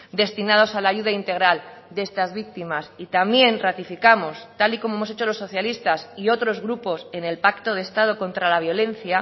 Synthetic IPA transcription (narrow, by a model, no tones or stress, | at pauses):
d̪e̞st̪inað̞o̞salaːʝuð̞aint̪e̞ɣ̞ɾald̪ee̞st̪azβik̚t̪imasit̪amje̞nrat̪ifikamo̞st̪aliko̞moemo̞se̞t͡ʃo̞lo̞sːo̞θjalist̪asio̞t̪ɾo̞zɣɾupo̞se̞ne̞lpakt̪o̞ð̞e̞st̪að̞o̞ko̞nt̪ɾalaβ̞jo̞lẽ̞n̟θja